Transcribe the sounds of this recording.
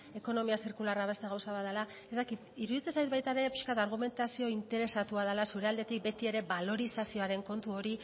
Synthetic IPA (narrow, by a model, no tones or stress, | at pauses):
e̞ko̞no̞miasiɾkularaβ̞e̞st̪eɣawsaβat̪ðala | e̞st̪akit̪iɾuðit͡sesajt̪bajt̪aɾe̞pi̥ʃkat̪aɾɣ̞ume̞nt̪asio̞int̪e̞ɾe̞sat̪uað̞alasuɾe̞ald̪et̪ik̚be̞t̪ie̞ɾe̞balo̞ɾisasio̞aɾe̞ŋko̞nt̪uo̞ɾi